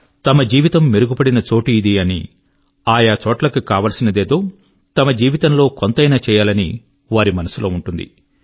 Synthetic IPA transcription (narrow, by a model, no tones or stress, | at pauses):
t̪ɐmɐd͡ʒiːʋit̪ɐmːiɾuɡupɐɽinɐt͡ʃo̞ːʈiːd̪iɐnḭ | aːjaːt͡ʃɔːʈlɐkukaːʋɐːlɐsinɐd̪e̞ːd̪o̞ː | t̪ɐmɐd͡ʒiːʋit̪ɐmlo̞ːkont̪ɐjnaːt͡ʃɛːjaːlɐni | ʋaːɾimɐnɐsulʔo̞ːuɳʈund̪ḭ